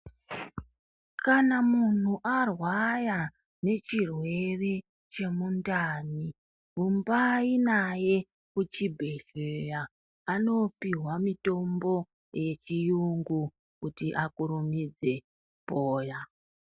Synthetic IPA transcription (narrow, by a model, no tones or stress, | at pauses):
kanamun̤uʔarwaja | ne̞t͡ʃirwe̞re̞ | t͡ʃe̞mundaːni | ɦumbainaje̞ | kut͡ʃibʱe̞ɮejaː | no̞piɦwamito̞mbo̞ | je̞t͡ʃijuŋɡu | kutiʔakuɾumid͡ze̞ | poːja